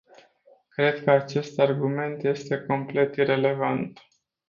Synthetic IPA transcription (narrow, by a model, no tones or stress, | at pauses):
kɾe̞d̪kəat͡ʃe̞st̪arɡume̞nt̪je̞st̪e̞ko̞mple̞t̪iɾe̞le̞vant̪